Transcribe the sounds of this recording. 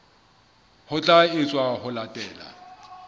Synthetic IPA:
hʊt͡ɬʼaɪt͡sʼwahʊlatʼɛːla̰

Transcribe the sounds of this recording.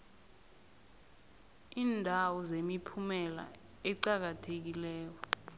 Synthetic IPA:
iːndʱawɔzemipʰumɛla̰ | ɛǀak̬atʰek̬ilɛːk̬ɔ

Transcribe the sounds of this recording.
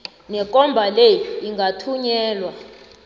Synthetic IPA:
nɛk̬ʼɔmbʱaleiŋɡʱatʰuɲɛːlwa

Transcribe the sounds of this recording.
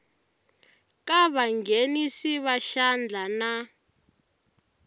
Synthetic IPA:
kaβaŋɡenisiβaʃand͡ɮʱana

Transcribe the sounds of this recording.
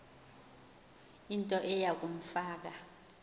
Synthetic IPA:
intʼɔʔɛjak̬ʼum̩faːk̬a

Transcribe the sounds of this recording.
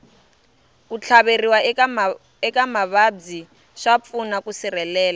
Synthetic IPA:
kut͡ɬʰaβeriwa | ɛkamaβad͡zi | ʂap̪funakusirɛlɛːla

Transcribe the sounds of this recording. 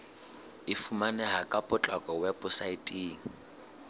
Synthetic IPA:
ɪfumanɛɦakʼapʼʊt͡ɬʼakʼɔwɛbʊsaitʼiːŋ̩

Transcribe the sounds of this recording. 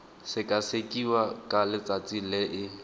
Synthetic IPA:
sɪkʼasekʼiwakʼalɪt͡sʼat͡sʼilɪʔɪ

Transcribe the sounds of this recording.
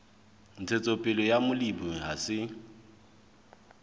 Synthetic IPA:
n̩t͡sʰet͡sʼopʼɪlɔjamʊlibuɦasɪ

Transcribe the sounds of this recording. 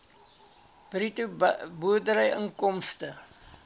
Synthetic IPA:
b̥ritubuədəɾəjəŋkɔmstə

